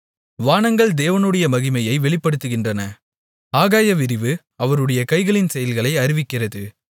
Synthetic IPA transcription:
ʋaːɳɐŋɡɐɭd̪eːʋɐnɯɽɐjɐmɐɣɪmɐjɐɪʋɛɭɪpːɐɽɯt̪ːɯɣɪndrɐnɐ | aːɣaːjɐʋɪɾɪʋɯ | ɐʋɐɾɯɽɐjɐkɐɪɣɐɭɪnsɛjɐlɣɐɭɐɪɐɾɪʋɪkːɪrɐðɯ

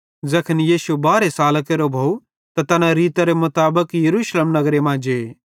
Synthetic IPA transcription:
d͡zɐkʰənijiːsubaːɾesaːlkeɾobʱou | t̪at̪ɐnãɾiːt̪aɾemʊt̪aːbəkjɐɾuːʃleːmnɐɡɾemãd͡ʒeː

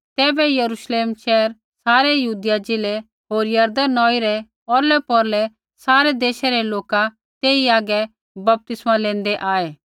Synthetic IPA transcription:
t̪ɛːbɛjɐɾuʃleːmʃɛːəɾ | saːɾɛjɐɦuːd̪ɪjad͡ʒɪlɛ | ɦoːɾjɐɾd̪ənɔːiɾɛ | ɔɾlɛpɔɾlɛ | saːɾɛd̪eːʃɛɾɛloːka | t̪eːiaːɡɛ | bɐp̚t̪ɪsmalẽːnd̪ɛʔaːeː

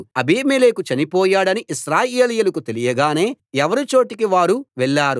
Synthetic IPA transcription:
ɐbiːmeːleːkut͡ʃɐnipɔːjaːɽɐniʔiʃɾaːjeːlijɐlukut̪elijɐɡaːne̞ː | ɛʋɐɾit͡ʃo̞ːʈikiʋaːɾuʋɛɭːaːɾu

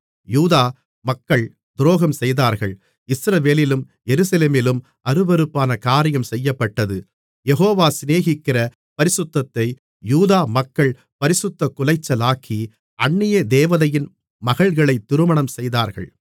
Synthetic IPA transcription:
juːðaː | mɐkːɐɭ | d̪ɾoːɣɐmsɛjðaːɾɣɐɭ | ɪsɾɐʋeːlɪlɯm | jɛɾɯsɐleːmɪlɯm | ɐɾɯbɐɾɯpːaːnɐkaːɾɪjɐmsɛjːɐpːɐʈːɐðɯ | jɛɣoːʋaːsɪneːɣɪkːɪrɐ | pɐɾɪsɯt̪ːɐt̪ːɐɪ | juːðaːmɐkːɐɭ | pɐɾɪsʊt̪ːɐkʊlɐɪt͡ʃːɐlaːkʰːi | ɐɳːɪjɐd̪eːʋɐðɐjɪn | mɐɣɐɭɣɐɭɐɪt̪ːɪɾɯmɐɳɐmsɛjðaːɾɣɐ̰ɭ

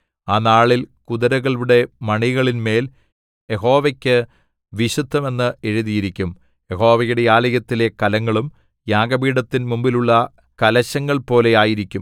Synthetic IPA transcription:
aːnaːɭilkuðɐɾɐɣɐɭɽe̞mɐɳiɣɐɭinme̞ːl | je̞ɦo̞ːʋɐkʲːɨ | ʋiɕud̪ʱːɐme̞nːɨeɻuðijiɾikʲːum | jeɦo̞ːʋɐjuɽe̞jaːlɐjɐt̪ːile̞kɐlɐŋːɐɭum | jaːɡɐbiːɽɐt̪ːinmumbiluɭːɐ | kɐlɐɕɐŋːɐɭpo̞ːle̞jaːjiɾikʲːum

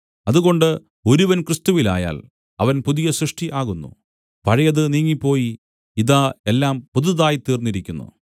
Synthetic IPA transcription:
ɐðuɣo̞ɳɖɨ | o̞ɾuʋɐnkrɨst̪uʋila̰ːja̰ːl | ɐ̰ʋɐnpuðijɐsrɨʂʈʰiʔaːɣunːṵ | pɐɻɐjɐðɨniːŋːipːo̞ːji | iðaːe̞lːaːmpuðuðaːjit̪iːrnːiɾikʲːunːṵ

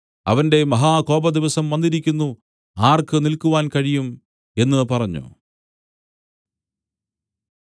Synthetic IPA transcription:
ɐ̰ʋɐnde̞mɐɦaːko̞ːbɐd̪iʋɐsɐmʋɐnd̪iɾikʲːunːu | aːrkɨnilkuʋaːnkɐɻijum | e̞nːɨpɐrɐɲːṵ

